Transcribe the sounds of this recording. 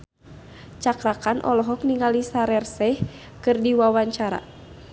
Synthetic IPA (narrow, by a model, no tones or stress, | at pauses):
t͡ʃakɾakanʔɔ̰lɔɦɔk̚niŋɡalisaɾɛrsɛh | kɨrdiwawaɲt͡ʃaɾa̰